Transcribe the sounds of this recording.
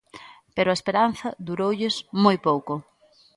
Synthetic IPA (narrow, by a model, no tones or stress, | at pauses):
peɾʊɐespeɾan̟θɐðuɾowʎɪsmojpowkʊ